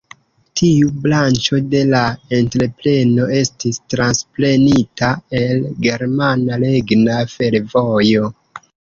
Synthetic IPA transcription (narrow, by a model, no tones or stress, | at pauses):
tʰiublant͡ʃo̞de̞lae̞ntɾe̞ple̞no̞e̞stistɾansple̞nitae̞lɡe̞ɾmanaleɡnafe̞ɾvo̞jo̞